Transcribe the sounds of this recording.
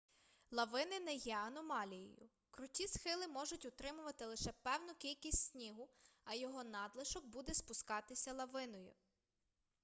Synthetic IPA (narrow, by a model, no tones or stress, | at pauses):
lˠɐʋɪnɪnɛjɛɐnɔmɑlʲijḭjʊ̰ | kɾʊtʲisxɪlˠɪmɔʒʊtʲʊt̪ɾɪmʊʋɐt̪ɪlˠɪʃɛpɛwnʊkʲilʲkʲisʲtʲsʲnʲiɦʊɐjɔɦɔnɑd̪lˠeʃɔɡ̚bud̪ɛspʊskɑt̪ɪsʲɐlˠɐʋɪnɔjʊ̰